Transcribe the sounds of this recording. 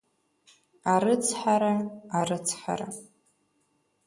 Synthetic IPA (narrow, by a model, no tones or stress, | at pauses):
aɾɨt͡sʰħaɾaaɾɨt͡sʰħa̰ɾa̰